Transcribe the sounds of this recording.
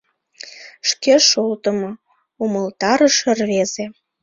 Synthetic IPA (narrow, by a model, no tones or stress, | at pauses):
ʃkeʃolt̪ə̆mo | uməlt̪ɑɾəʃərβeze